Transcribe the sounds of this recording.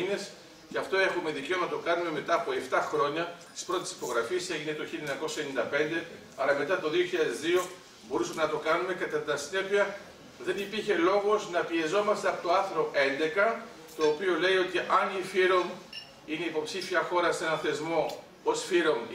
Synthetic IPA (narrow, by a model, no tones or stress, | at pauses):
ne̞s | ceɐft̪o̞e̞xume̞ðice̞onɐnɐt̪o̞kɐnume̞me̞t̪ɐːpoe̞ft̪ɐxɾo̞ɲɐt̪i̥spɾo̞t̪ei̥si̥po̞ɣɾɐfiese̞ʝine̞t̪oçileɲɐko̞sɐenĩnd̪ɐpe̞nd̪e̞ | ɐlɐme̞t̪ɐt̪o̞ðioçiʎɐðezðio̞ | bo̞ɾusɐmenɐt̪o̞kɐnume̞kɐt̪ɐt̪t̪ɐsine̞piɐ | ðe̞nipiɾçe̞lo̞ɣo̞znɐpie̞zo̞mɐst̪e̞ɐpot̪oɐθɾo̞e̞nd̪e̞kɐ | t̪o̞ːpio̞le̞io̞t̪iʔɐnifiɾo̞m | ine̞ipo̞psifiɐxo̞ɾɐsenɐθe̞zmo̞ | osfiɾo̞m